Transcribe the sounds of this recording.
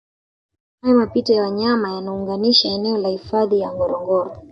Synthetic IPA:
hajamapitajawaɲamajanauŋɡaniʃaɛnɛɔlahifaðijaŋɡɔɾɔŋɡɔɾɔ

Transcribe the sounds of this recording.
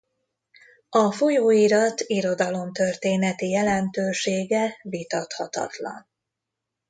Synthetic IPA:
ɒfo̞joːiɾɒt̪iɾo̞d̪ɒlo̞mt̪ørt̪eːnɛt̪ijɛlɛnt̪øːʃeːɡɛvit̪ɒt̪hɒ̰t̪ɒ̰t̪lɒ̰n

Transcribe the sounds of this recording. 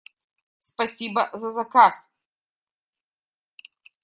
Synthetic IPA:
spɐsʲibɐzɐzɐkas

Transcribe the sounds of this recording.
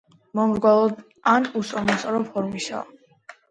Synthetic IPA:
mɔmɾɡwalˠɔd̪ | anusʼɔmɔsʼɔɾɔpʰɔɾmisa̰

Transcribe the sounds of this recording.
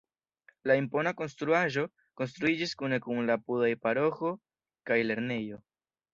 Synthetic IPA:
laimpo̞nako̞nst̪ɾuaʒo̞ | ko̞ns̬t̪ɾuid͡ʒiskune̞kuŋlapudajpaɾo̞xo̞ | kajle̞ɾne̞jo̞

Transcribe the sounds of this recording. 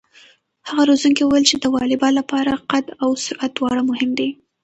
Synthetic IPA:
haɣaɾozuŋkewuwajlt͡ʃed̪əwɑlɪbɑnlːapɑɾaqad̪awsʊɾʔat̪wɑɽamʊhɪmd̪e

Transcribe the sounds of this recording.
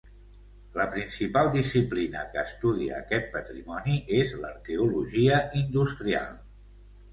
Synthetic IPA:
ləpɾinsipalˠd̪isiplinə̰kəːst̪uðiə̰ːkɛt̪̚pət̪ɾḭmɔniezləɾkeuluʒiəʔind̪ust̪ɾia̰lˠ

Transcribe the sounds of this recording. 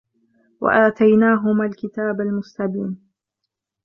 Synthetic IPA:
wa̰ʔaːt̪ajnaːɦʊmaːlkɪt̪aːbalmʊst̪abiːn

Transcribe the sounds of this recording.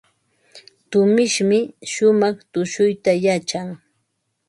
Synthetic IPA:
t̪ʊmɪʃmɪʃʊmɑχt̪ʊʃʊjt̪ajat͡ʃaŋ

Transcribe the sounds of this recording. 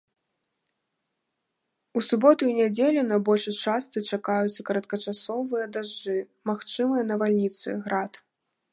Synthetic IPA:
usubɔt̪uunʲad͡zʲelʲunɐbɔlʲʂɨt͡ʂast̪ɨt͡ʂakajut̪sːɐkɐɾɐt̪̚kɐt͡ʂasɔvɨjɐd̪aʐd͡ʐɨ | maxt͡ʂɨmɨjɐnɐvalʲnʲit̪sɨ̰ɣɾat̪

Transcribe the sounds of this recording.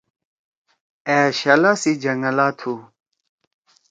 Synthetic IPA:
ɛːɕɐlasid͡ʒɐŋəlaːt̪ʰu

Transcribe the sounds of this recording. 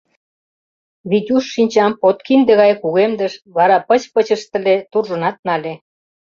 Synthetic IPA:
βit̪ʲuʃːinʲt͡ɕɑmpot̪kind̪eɣɑjkuɣemd̪ə̆ʃβɑɾɑpət͡ɕpət͡ɕəʃt̪ə̆let̪urʒə̆nɑt̪̚nɑlʲe

